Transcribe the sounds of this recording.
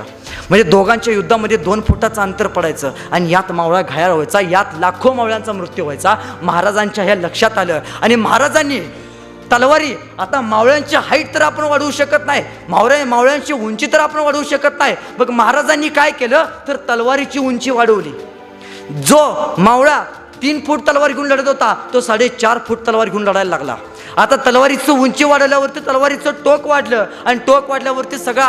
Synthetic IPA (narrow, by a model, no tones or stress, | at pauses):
m̤əɳd͡zed̪oɡãɲt͡ɕjajud̪ʱːaməd̪ʱːjed̪onfuʈat͡səənt̪əɾpəɽajt͡səː | aɽ̃ijat̪mawɭaɡʱajaɭɦojt͡sajat̪lakʰomawɭjãnt͡samɾut̪juɦajt͡saməɦaɾad͡zaɲt͡ɕjaɦjaləkʂat̪aləːaɽ̃iməɦaɾad͡zanːiː | t̪əlʋaɾiː | at̪amawɭjãɲt͡ɕiɦaiʈ̚t̪əɾapəɳʋaɽuːɕəkət̪naɦj | mawɭamawɭjãɲt͡ɕiːuɲt͡ɕit̪əɾapəɳʋaɽuːɕəkət̪naɦibəɡməɦaɾad͡zanːiːkajkeləːt̪əɾt̪əlʋaɾit͡ɕiːuɲt͡ɕiːʋaɽ̤əʋlḭː | d͡zomawɭa | t̪iːnfuːʈt̪əlʋaɾɡʱiũːnləɽ̤ət̪ɦot̪at̪osaɽet͡ɕaɾfuːʈ̚t̪əlʋaɾɡʱiuːnləɽajllaɡla̰ | at̪at̪əlʋaɾit͡səuɲt͡ɕiːʋaɽ̤əʋljaʋəɾt̪iːt̪əlʋaɾit͡soʈokʋaɽ̤lə | añiʈokʋaɽ̤ljaʋəɾt̪iːsəɡɭa